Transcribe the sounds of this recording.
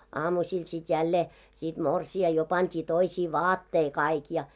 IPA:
ɑːmusʲil sit jælːeː sit morsiɑ jo pɑntʲiː toisiː ʋɑːtːei kɑik jɑ

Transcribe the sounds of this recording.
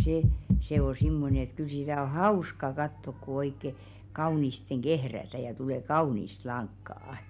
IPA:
seˑ se o simːone ĕt kyl sitæ o hɑuskɑ kɑtːok ku oikːe kɑunisteŋ ɡ̊ehrætæ jɑ tule kɑunist lɑŋkːɑˑɑ̆

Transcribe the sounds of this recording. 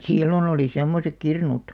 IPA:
silːon oliˑ semːosek kirnut

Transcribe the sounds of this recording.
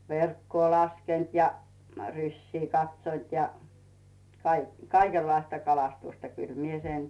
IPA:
ʋerkːoː lɑskent jɑ rysʲsiː kɑtsʲont jɑ kɑik kɑikelːɑistɑ kɑlɑstustɑ kyl mie sen

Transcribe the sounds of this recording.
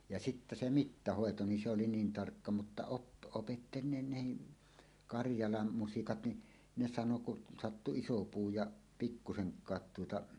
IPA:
jɑ sitːæ se mitːɑhoˑeto ni se oli niːn tɑrkːɑ mutːɑ op opetːeli ne nehi kɑrjɑlɑm musikɑt ni ne sɑno kun sɑtːu iso puː jɑ pikːuseŋkˑɑːt tuotɑ

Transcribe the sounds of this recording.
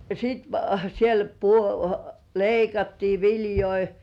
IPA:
siˑt siel pu leikɑtːiː ʋiljoi

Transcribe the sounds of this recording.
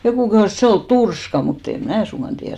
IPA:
jokuˑ kehuˑs et se ol turskɑ mut em mæː suŋɡ̊ɑn tiært

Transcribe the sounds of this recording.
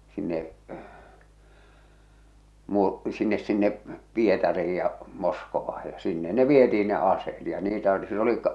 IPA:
sinːe muːr sinːes sinːe pietɑriij jɑ moskoʋɑɑj jɑ sinːe ne ʋietiin ne ɑseːt jɑ niːtæ oli sil oli

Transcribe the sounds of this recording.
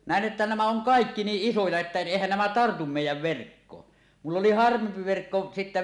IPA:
næˑen ʔetːæ næmæ oŋ kɑˑekːi niːʔ ʔisojɑ etːæ eˑihæn næmæ tɑrtum meˑijˑæʋ ʋerkːoːn mulː oli hɑrʋempi ʋerkːo sitːæ

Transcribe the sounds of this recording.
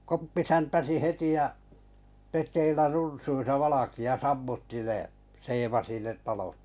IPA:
kopːi sæntæsi heti jɑ petˑeilːæ runsuisɑ ʋɑlɑkiɑ sɑmːutːi ne seːʋɑsi ne tɑlot

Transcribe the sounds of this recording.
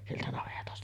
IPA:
sieltæ nɑʋetɑstɑ

